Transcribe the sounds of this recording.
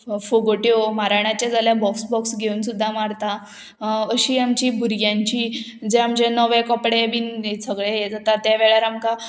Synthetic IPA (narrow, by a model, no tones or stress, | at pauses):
foɡoʈjomaɾaɳ̃at͡ɕjad͡zaljabɔksbɔksɡʱeunsud̪ʱːamaɽt̪a | əɕiːamt͡ɕiːbʱuɾɡjãɲt͡ɕiːd͡zeamd͡ʑenəʋẽkɔpɽebiːnsəɡɭejed͡zat̪at̪jaʋeɭjaɾamka